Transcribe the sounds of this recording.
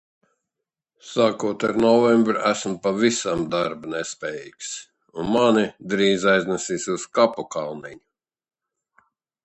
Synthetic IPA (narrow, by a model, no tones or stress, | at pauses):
saːkuɔt̪aɾnɔvɛmbɾʔæsmpavisamd̪aɾbunɛspʲɛːjḭːks | unmanid̪ɾiːzajznasiːsʲuskapukalˠniɲu